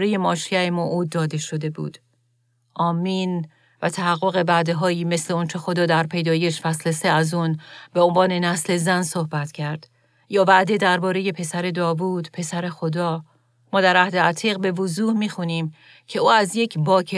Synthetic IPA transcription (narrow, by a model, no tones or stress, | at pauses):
ɾeje̞mɒːʃiæemoʔuːd̪ːɒːd̪e̞ʃo̞d̪e̞bṵːd̪̥ | ʔɒːmiːn | væt̪ʰæɦæɣːo̞ɣe̞bæd̪eɦɒːiːme̞sle̞ont͡ʃʰe̞xo̞d̪ɒːd̪æɾpʰe̞jd̪ɒːje̞ʃfæsleseæzunbe̞onvɒːne̞næsle̞zænso̞hbæt̪cʰæɾd̪̥ | jɒːvæʔd̪e̞d̪æɾbɒːɾe̞je̞pʰe̞sæɾe̞d̪ɒːvuːd̪̥pʰe̞sæɾe̞xod̪ɒː | mɒːd̪æɾʔæhd̪eæt̪ʰiːɣbe̞vozuːhmiːxuniːm | cʰe̞uːæzjecʰbɒːkʰe